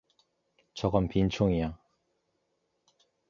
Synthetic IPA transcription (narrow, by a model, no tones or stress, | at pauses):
t͡ɕʌɡʌmpint͡ɕʰoŋia